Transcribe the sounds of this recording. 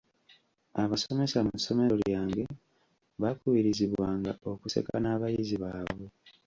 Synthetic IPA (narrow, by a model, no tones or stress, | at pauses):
aβasome̞samuso̞me̞ljaːŋɡe̞ | βakuwiɾiziβwaːŋɡao̞kuse̞̰ka̰naːβajiziβaːβwe